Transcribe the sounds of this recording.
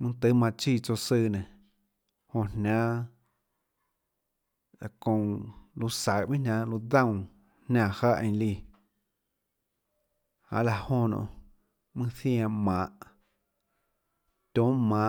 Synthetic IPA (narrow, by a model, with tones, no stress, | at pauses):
mɨ̃˦˧t̪ɨ˦mã˧t͡ʃiː˧˨t͡so˧sɨː˧˨nẽ˨ | hõ˧˨nʲã˦ | la˨kõ˧lu˧sa˨ʔbĩ˦nã˧lu˧d̪ã˦˨w̃ | hnʲã˧˨ha˦˨ʔẽ˧˨˧liː˧˨ | hã̰˧˨ʔla˧˨hõ˧˨nõ̰˧˨ | mɨ̃˦θj̃ã˧mã˨ʔ | t̪ʲõ˨˦mã˨